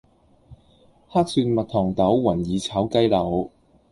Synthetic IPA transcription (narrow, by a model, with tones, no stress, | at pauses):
haː˥k̚syː˧nmɐ˨t̚t̪ʰɔː˨˩ŋt̪ɐ˨˥wwɐ˨˩njiː˨˧t͡sʰaː˨˥wkɐ˥jlɐ˨˩w